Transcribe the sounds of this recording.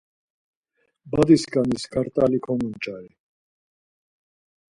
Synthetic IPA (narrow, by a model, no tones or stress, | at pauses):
bad̪iskaniskʰaɾt̪ʼalikʰɔnunt͡ʃʼaɾi